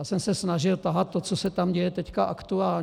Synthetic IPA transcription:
jaːsɛmsɛsnaʒɪlt̪aɦat̪̚ːot͡sosɛt̪amɟɛjɛt̪ɛckaʔakt̪uaːlɲ

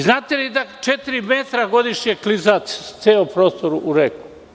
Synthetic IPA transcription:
znaːt̪elid̪at͡ʃet̪iɾimet̪ɾaɡo̞d̪iʃɲeklizast̪seːompɾoːst̪oɾuʔuɾeku̥

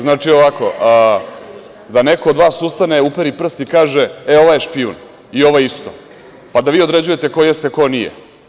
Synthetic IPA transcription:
znaːt͡ʂio̞ʋako̞ | d̪ane̞ko̞od̪ʋaːsust̪ane̞upeɾipr̩st̪ikaːʒeeo̞ʋaje̞ʃpiṵn | io̞ʋojeist̪o̰ | pad̪aʋiːo̞d̪ɾe̞d͡ʑuje̞t̪ekojest̪eko̞nijḛ

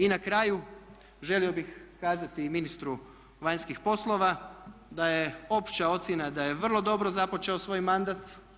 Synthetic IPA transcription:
inakɾaju | ʒe̞lio̞bixkaːzat̪iminist̪ɾu | ʋaɲskixpo̞slˠo̞ʋad̪aje̞o̞pt͡ʃao̞t̪sjenad̪aje̞ʋr̩lˠo̞d̪o̞bɾo̞zapo̞t͡ʃe̞o̞sʋo̞ːjmand̪at̪

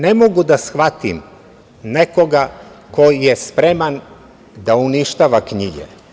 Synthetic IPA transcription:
ne̞moɡud̪asxʋat̪ḭm | nekoɡako̞jjespɾe̞man | d̪auniʃt̪aːʋakɲiɡḛ

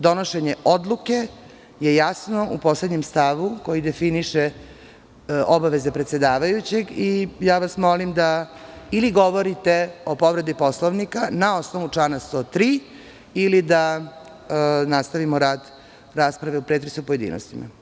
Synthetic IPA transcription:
d̪o̞noʃe̞ɲe̞ʔo̞d̪lˠuke̞ | jejasno̞ʔupo̞sled̪ɲemst̪aʋuko̞jid̪e̞finiʃe | obaʋe̞ze̞pɾet̪se̞d̪aːʋajut͡ɕe̞ɡijaːʋasmo̞limd̪ailiɡo̞ʋo̞ɾit̪e̞o̞po̞ʋɾe̞d̪ipo̞slˠoʋnikanao̞sno̞ʋut͡ʂlaːnast̪ot̪ɾiː | ilid̪a | nast̪aʋimoɾaːd̪ | ɾaːspɾaʋe̞upɾeːt̪ɾesupo̞je̞d̪ḭːnost̪ima̰

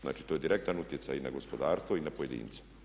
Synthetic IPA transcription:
zna̰ːt͡ʃi̥t̪ojed̪iɾek̚t̪anut̪je̞t̪sajinaɡo̞spo̞d̪aːɾst̪ʋoinapoje̞d̪ḭːnt̪se̥

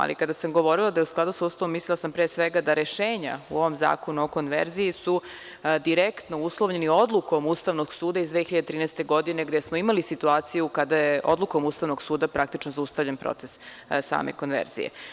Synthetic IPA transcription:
a̰lḭkad̪asamɡo̞ʋo̞ɾilad̪ajusklad̪usauːst̪aʋomːislilˠasampɾeːsʋeɡad̪aɾeʃeːɲa̰ṵo̞ʋo̞mza̰ːko̞nuoko̞nʋḛɾzijisu | d̪iɾekt̪nouslˠoʋɲe̞nio̞d̪lˠuko̞muːst̪aʋnoɡsuːd̪aizd̪ʋexiʎad̪et̪ɾiːnɛst̪e̞ɡo̞d̪ine̞ɡd̪e̞smoimalisit̪uaːt̪sijukad̪ajeʔo̰d̪lˠukomust̪aʋno̞ɡsuːd̪apɾakt̪it͡ʃnozaust̪aʋʎenpɾo̰t̪ses | sa̰ːmḛko̞nʋḛɾz̥ḭjḛ

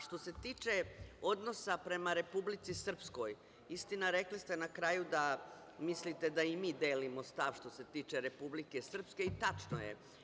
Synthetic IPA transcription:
ʃt̪o̞se̞t̪iːt͡ʃe̞o̞d̪no̞sapɾe̞maɾe̞publit̪sisr̩psko̞j | ist̪inaɾe̞klist̪e̞nakɾaːjud̪a | mislit̪e̞d̪aimiːd̪eːlimo̞st̪aʋʃt̪o̞se̞t̪iːt͡ʃe̞ɾe̞publike̞sr̩pske̞it̪at͡ʃno̰jḛ

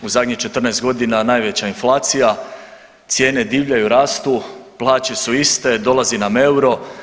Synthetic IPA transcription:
uzad̪ɲit͡ʃe̞t̪r̩nɛest̪ɡo̞d̪inanaːjʋe̞t͡ɕainflˠaːt̪sija | t̪sje̞ːne̞d̪iːʋʎajuɾaːst̪uplˠaːt͡ɕe̞suist̪e̞d̪o̞lˠaziname̞uɾo̞

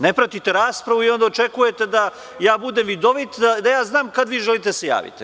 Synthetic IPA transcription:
ne̞pɾat̪it̪e̞ɾaːspɾaʋuio̞nd̪aot͡ʃe̞kuje̞t̪e̞d̪a | jaːbud̪emʋid̪o̞ʋit̪d̪ad̪ajaːznaːmkad̪ʋiːʒelit̪easeja̰ːʋḭt̪ḭ

